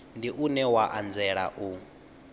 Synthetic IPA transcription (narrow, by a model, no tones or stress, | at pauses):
ndiʔunɛwaʔand͡zɛɺa̰ʔu